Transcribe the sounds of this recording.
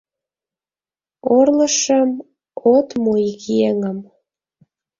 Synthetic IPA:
orləʃəm | ot̪mojikjeŋəm

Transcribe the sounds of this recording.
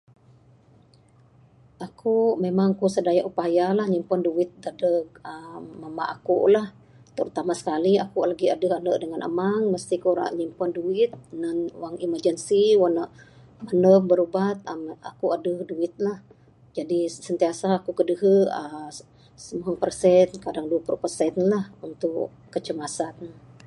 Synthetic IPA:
ʔakumemaŋkusədajaʔupajalahɲimpanduwɪt̪̚dadəəːama̰ʔakuʔlah | t̪əɾut̪amasə̥kaliakulaɡiadəɦanəʔdəŋanʔə̰maŋməst̪ikuɾa̰ʔɲimpanduɪt̪̚nanwaŋimərd͡ʒənsiwanaʔ | mənəfbəɾubat̪̚ma̰kuadəhduɪt̪̚lah | d͡ʒadisənt̪iasaːkukədəɦəə | səmaŋpərsɛnkadaŋduəpulupərsɛnlahunt̪ʊʔ | kːət͡ʃəmasat̪̚n

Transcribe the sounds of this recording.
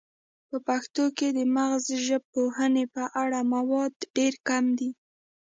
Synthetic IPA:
pəpaxt̪oked̪əmaɣzʒəb̚pohənepəʔaɽamawɑd̪ɖeɾkamd̪i

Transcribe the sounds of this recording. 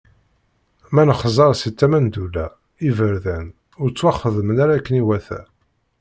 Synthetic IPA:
mænəχəzˤɑɾˤsit͡s̪ːæmænd̪ulæ | ivəɾðæn | ʊɾt͡sːwæχəðəmənaɾakːəniwæθæ̰

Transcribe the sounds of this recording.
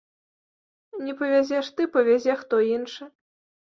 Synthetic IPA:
nʲɛpɐvʲazʲɛʂt̪ɨpɐvʲazʲɛxt̪ɔinʂɨ

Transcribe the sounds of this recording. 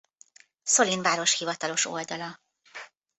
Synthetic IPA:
solinvaːɾoʃhivɒt̪ɒlo̞ʃo̞ld̪ɒlɒ

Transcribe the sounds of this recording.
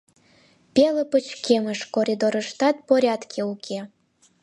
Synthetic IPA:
pʲelə̆pə̆t͡ɕkeməʃkoɾʲid̪oɾə̆ʃt̪ɑt̪̚poɾʲɑt̪kʰeukʲʰe

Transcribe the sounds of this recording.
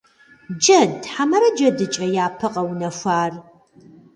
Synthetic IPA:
d͡ʒɐdħamɐɾɐd͡ʒɐdɨt͡ʃʼɐjaːpʰɨqʼɐwnɐfʷaːr

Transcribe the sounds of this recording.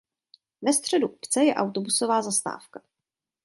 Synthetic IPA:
vɛst̪r̝̥ɛduʔupt͡sɛjɛʔawt̪obuso̞vaːzast̪a̰ːfkḁ

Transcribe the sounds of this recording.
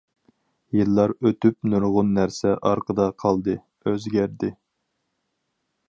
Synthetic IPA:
jɨlˠːɑɾøt̪ypnuɾʁʊnːæɾsɛʔɑɾqʰəd̪ɑqʰɑlˠd̪ɨ | øzɡʲæɾd̪ɪ

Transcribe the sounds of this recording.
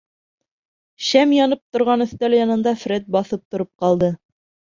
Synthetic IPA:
ɕæmjɑnɤp̚t̪ŏɾʁɑnɵ̆θt̪æljɑnɤ̆nd̪ɑfɾet̪̚bɑθɤp̚t̪ŏɾɤp̚qɑlˠd̪ɤ

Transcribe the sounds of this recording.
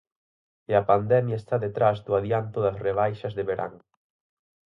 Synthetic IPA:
eɐpand̪ɛmjaest̪aðet̪ɾazðʊaðjant̪ʊðɐsreβ̞ajʃɐzðeβeɾʔa̰ŋ

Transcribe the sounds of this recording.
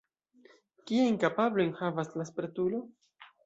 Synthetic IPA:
kiajnkapablojnxavaslaspɾetulo̞

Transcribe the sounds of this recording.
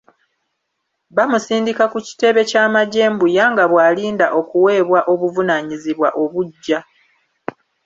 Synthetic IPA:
βamusiːndikakuci̥te̞βe̞caːmaɟe̞ːmbujaŋɡaβwaːliːndaʔo̞kuwe̞ːβwaʔo̞βuvunaɲiziβwa̰ʔo̞βuɟːa

